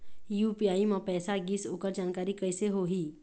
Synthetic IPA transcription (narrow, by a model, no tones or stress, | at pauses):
juːpiaːimãpɛːsaɡisoːkəɾd͡ʒaːnkaːɾikəjseɦoɦi